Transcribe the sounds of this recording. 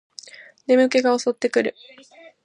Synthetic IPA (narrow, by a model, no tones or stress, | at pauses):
ne̞mɯ̟ke̞ɡao̞so̞t̪ːe̞kɯ̟ɾɯ̟